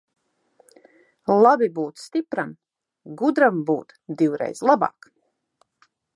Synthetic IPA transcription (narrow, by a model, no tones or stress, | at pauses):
lˠabibuːt̪st̪ipɾam | ɡud̪ɾambṵːt̪d̪iwɾɛ̰jz̥lˠabɑ̰ːk